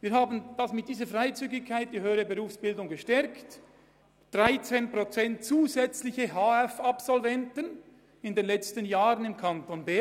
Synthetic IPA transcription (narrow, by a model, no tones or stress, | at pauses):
viːɐɦaːbən̩d̥asmɪt̚d̥iːzəfʁaɪt͡syːɡɪçkʰːaɪt̚d̥iːhøːəɾəbəʁuːfsb̥ɪldʊŋɡəʃtɛɾkt | d̥ʁaɪt͡seːnpʁot͡sɛnt̚t͡suːzɛt͡slɪçəɦaːɛfapsɔlvɛntən | ɪndenlɛt͡stənjaːʁənɪmkʰantonbɛ